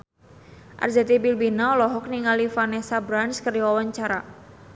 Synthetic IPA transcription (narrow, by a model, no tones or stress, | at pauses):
ʔa̰rzat̪ibilbinaɔlɔɦɔk̚niŋalifanɛsabɾanskəriwawaɲt͡ʃaɾa